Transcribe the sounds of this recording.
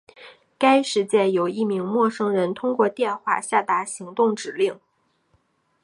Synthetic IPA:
ka˥ɪʂɻ̩˧˥t͡ɕjɛ˥˩njo˨˩ʊi˥˩mi˧˥ŋmwɔ˥˩ʂɤ˥ŋɻə˧˥nt̪ʰʊ˥ŋkwɔ˥˧t̪jɛ˥˧nxwa̰˥˧ɕja˥˩t̪a˧˥ɕi˧˥ŋt̪ʊ˥˩ŋʈ͡ʂɻ̩˨˩li˥˩ŋ

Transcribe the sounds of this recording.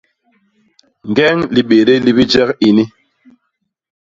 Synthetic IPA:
ŋ˨ɡɛ˦ŋli˨ɓe˨ɾe˦li˦bi˦d͡ʒɛ˦ki˨ni˦

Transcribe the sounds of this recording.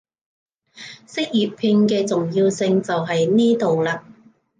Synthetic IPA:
sɪ˥k̚jyː˨t̚pʰiː˧nkɛː˧t͡sʊ˨ŋjiː˧wsɪ˧ŋt͡sɐ˨wɦɐ˨jniː˥t̪o˨wlaː˧

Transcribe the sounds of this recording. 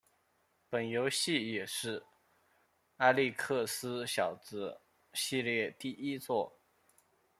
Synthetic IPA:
pə˨˩njo˧˥ʊɕi˥˩jɛ˨˩ʂɻ̩˥˩ | a˥˧li˥˧kʰɤ˥˩sɹ̩˥ɕjɑ˨˩ʊt͡sɹ̩˥ | ɕi˥˧ljɛ˥˧t̪i˥˩i˥t͡swɔ˥˩

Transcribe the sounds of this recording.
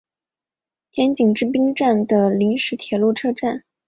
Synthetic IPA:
t̪ʰjɛ˧˥nt͡ɕi˨˩ŋʈ͡ʂɻ̩˥˧p̬i˥ŋʈ͡ʂa˥˩nd̪ə˩li˧˥ŋʂɻ̩˧˥t̪ʰjɛ˨˩lu˥˩ʈ͡ʂʰɤ˥ʈ͡ʂa˥˩n

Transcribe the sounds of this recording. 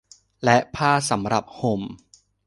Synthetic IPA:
lɛ˦˥ʔpʰaː˥˩sa˩˦mɾa˨˩p̚ho˧˩m

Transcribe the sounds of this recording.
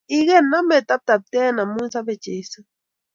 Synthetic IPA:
iɣe˦na˦me˨t̪a˦p̚t̪a˨p̚t̪eː˦na˨munsaβet͡ʃe˨jsɨ˦

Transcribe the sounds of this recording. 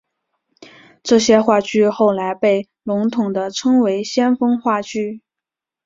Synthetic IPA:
ʈ͡ʂɤ˥˩ɕjɛ˥xwa˥˧t͡ɕy˥˧xo˥˩ʊla˧˥ɪpe˥˩ɪ | lʊ˧˥ŋt̪ʰʊ˨˩ŋd̪ə˦ʈ͡ʂʰɤ˥ŋwe˧˥ɪɕjɛ˥nfɤ˥ŋxwa˥˩t͡ɕy˥˩

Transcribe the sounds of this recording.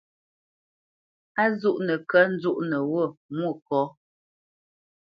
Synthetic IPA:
a˦zu˦ʔnə˨kə˦n̩˦d͡zu˦ʔnə˨wo˦˨mwo˦˨kɔ˨˦

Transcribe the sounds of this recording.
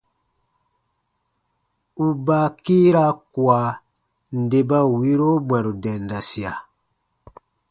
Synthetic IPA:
u˨ba˨kiː˦ɾa˦ku˨a˨ | n̩˨de˨ba˦˨wi˦ɾo˦bwɛ̃˨ɾu˨dɛ˨nda˨si˨a˨

